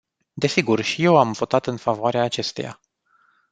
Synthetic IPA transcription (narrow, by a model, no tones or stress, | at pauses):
d̪e̞siɡurʃije̞wamvo̞t̪at̪ɨnfavoaɾeaːt͡ʃe̞st̪e̞ja̰